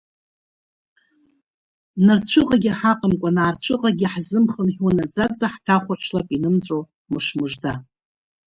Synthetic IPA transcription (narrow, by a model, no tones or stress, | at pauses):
nart͡ɕʷʰɨqʼaɡʲiħaqʼəmkʷʼanaːrt͡ɕʷʰɨqʼaɡʲiħzɨmχənχʲwanad͡zad͡zaħtʰaχʷaʈ͡ʂʰlapʼinɨmt͡sʷʼo | mɨʂmɨʐda